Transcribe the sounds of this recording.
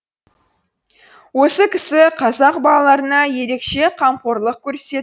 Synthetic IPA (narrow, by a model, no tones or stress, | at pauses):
wo̞səkʲʰɪsɪqʰɑzɑqbɑlˠɑlˠɑɾənɑje̞ɾe̞kʃe̞qʰɑmqoɾlˠəq̚kʲʰɵɾse̞